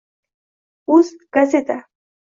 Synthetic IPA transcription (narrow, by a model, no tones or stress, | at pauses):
uskaset̪a